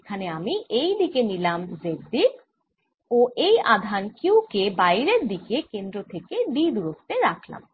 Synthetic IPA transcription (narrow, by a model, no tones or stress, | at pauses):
kʰaneamiʔejd̪ikenilamzed̪i | oʔejʔad̪ʱankiwkebajɾeɾd̪ikekend̪ɾot̪ʰeked̪id̪uɾost̪ːeɾakʰla̰m